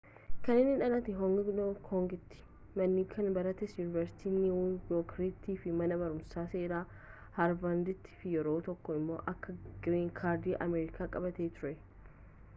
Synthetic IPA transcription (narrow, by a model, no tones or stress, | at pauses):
kɐnːɪnɪᶑɐnɐt̪ɪɦɔŋɡɪɡnokʰhɔŋɡɪt̪ːɪ̥ | mɐnːiːkʰɐnbɐɾɐt̪ɛsjuːnɪvɐɾsɪ̥t̪ʰiːnːɪwʊjoːkɾiːt̪ːiːfɪmɐnɐbɐɾʊmsaːse̞ːɾaː | hɐɾbɐnd̪ɪt̪ʰːi̥ːfɪjɛɾo̞ːt̪ɔkːɔɪmːo̞̰ːʔɐkːɐɡɪɾiːŋkʰaːɾd̪iːʔɐ̰meːɾɪkʰaːkʼɐbɐt̪eːt̪ʊɾɛ